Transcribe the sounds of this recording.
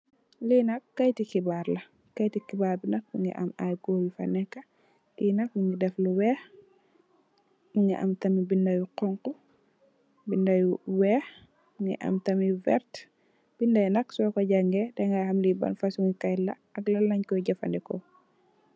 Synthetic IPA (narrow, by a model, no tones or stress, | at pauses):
linɐkːɐjtikibaɾlɐ | kɐjtikibaːɾbinɐk̚iŋɡɛ̰ʔɐ̰ma̰jɡoːwifanɛkːɐ | linɐkwuŋɡidɛfluwɛːx | iŋɡɛ̰ʔɐ̰mtɐmibindajuqɔŋku | bindajuwɛːx | ŋɡɛ̰ʔɐ̰mtɐmivɛ̰ɾt | b̥indajunɐksɔːkɔɟaŋɡɛdɛŋɡahamlibɐ̰nfasuŋikajlɐ̰ | ɐɡlɐlɐɲkɔjɟɐfa̰ndɛkɔ̰